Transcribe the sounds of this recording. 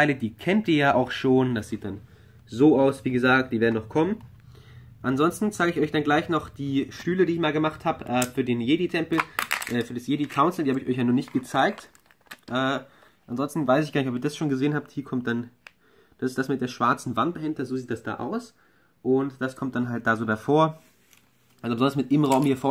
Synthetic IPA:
tʰaɪlədiːkʰɛntʔiːɐjaːʔaʊxʃoːndasz̥iːt̚d̥an | zoːʔaʊsv̥iːɡəzaːk̚t̚d̥iːveɐdn̩nɔχkʰɔmən | ʔanzɔnstn̩t͡saɪɡəɪçʔɔʏçd̥anɡlaɪçnɔχd̥iːʃtyːlədiːɪçmaːlɡəmaχthaːbəʔɛːfyːɐdeːnjeːditʰɛmpl̩ʔɛːfyːɐdasjeːdikʰaʊnsl̩diːhabəɪçʔɔ̰çjanuːɐnɪçt̚ɡ̥ət͡saɪk̚t | ʔɛː | ʔanzɔnstn̩vaɪsɪçɡaːɐnɪçʔɔpiːɐdasʃoːnɡəzeːənhaːp̚thiːɐkʰɔmt̚d̥an | d̥asɪsd̥asmɪt̚d̥eːɐʃv̥aɐt͡sn̩vant̚b̥əhɪntɐzoːziːt̚d̥asd̥a̰ːʔa̰ʊs | ʔʊntd̥askʰɔmt̚d̥anɦalt̚d̥aːzoːbaɐfoːɐ | ʔalzobəzɔndɐsmɪtʔɪmʁaʊmhiːɐfoːɐ

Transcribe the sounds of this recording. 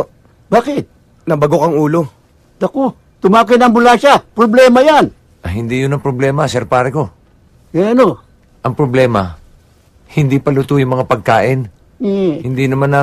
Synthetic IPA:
baːkɪt̪̚ | nɐbɐɡokɐŋuːlo | d̪ɐko | t̪ʊmaːkɪnɐŋbʊlaːʃapɾoblɛːmɐjan | ʔɐhɪnd̪ijʊnɐŋpɾoblɛːmɐsɛɾpaːɾɛko̞ | ɡɛno | ʔɐŋpɾoblɛːmɐ | hɪnd̪iːpɐlʊt̪ujʊŋmɐŋapɐɡ̚kaːʔɪn | hɪnd̪inɐmanɐ

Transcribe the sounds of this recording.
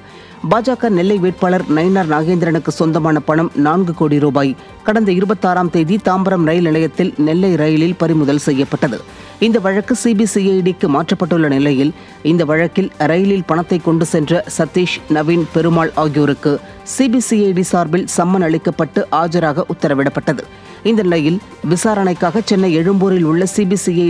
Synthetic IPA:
baːd͡ʒaːkɐɾnɛlːɐɪʋeːʈ̚paːɭɐɾnɐɪnaɾnaːɣeːnd̪ɪɾɐɳɯkːɯsɔnd̪ɐmaːnɐpɐɳɐmnaːnɡɯkoːɽiɾuːbaːj | kɐɽɐnd̪ɐɪɾɯbɐt̪ːaːɾaːmt̪eːðit̪aːmbɐɾɐmɾɐjɪlnɪlɐjɐt̪ːɪlnɛlːɐɪɾɐjɪlɪlpɐɾɪmʊðɐlsɛjːɐpːɐʈːɐðɯ̰ | ɪnd̪ɐʋɐɻɐkːɯsibisiɐɪɖikːɯmaːʈrɐpːɐʈːɯɭːɐnɪlɐjɪl | ɪnd̪ɐʋɐɻɐkːɪlɾɐjɪlɪlpɐɳɐt̪ːɐɪkːɔɳɖɯsɛndrɐsɐt̪ːiːʂnɐʋiːnpɛɾɯmaːɭaːɣɪjoːɾɯkːɯ | sibisiɐɪɖisaːɾbɪlsɐmːɐnɐɭɪkːɐpːɐʈːɯʔaːd͡ʒɐɾaːɣɐʔʊt̪ːɐɾɐʋɪɽɐpːɐʈːɐðɯ̰ | ɪnd̪ɐnɪlɐjɪl | ʋɪsaːɾɐɳɐɪkːaːɣɐt͡ʃɛnːɐɪɛɻɯmboːɾɪlʊɭːɐsiːbisiɐɪ

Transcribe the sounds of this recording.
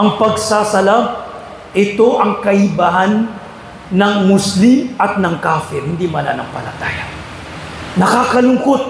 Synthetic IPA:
ʔɐŋpɐɡsasɐla | ʔɪt̪oʔɐŋkɐʔɪbahanː | ɐŋmʊslimʔɐt̪̚nɐŋkaːfɛɾhɪnd̪imɐla̰nɐ̰ŋpɐ̰lɐ̰t̪a̰ːja̰ | nɐkaːkɐlʊŋkot̪̚

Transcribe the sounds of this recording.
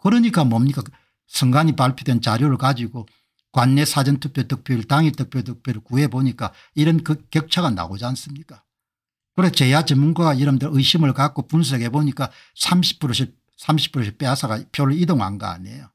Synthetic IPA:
kɯɾɯɲik͈amʌmɲik͈a | sʰɯŋɡaɲipaɭpʰjodwent͡ɕaɾjoɾɯɭkad͡ʑiɡo | kwanːesʰad͡ʑʌntʰupʰjotɯk̚pʰjoɾɯɭtaŋit͈ɯk̚pʰjotɯk̚pʰjoɾɯɭkueboɲik͈a | iɾʌnkɯkjʌk̚t͡ɕʰaɡana̰ɡod͡ʑans͈ɯmɲik͈a | kɯɾesʰot͡ɕe̞jat͡ɕemːunɡaɡaiɾʌmdɯɾʔɯɕʰimɯɭkak͈̚opuns̬ʰʌɡe̞boɲik͈a | sʰamɕʰi̥p͈ʰːɾoɕ̬ʰi | sʰamɕʰi̥pʰɯɾoɕʰip͈easʰaɡapʰjoɾɯɭidoŋha̰nɡa̰a̰ɲḛjo

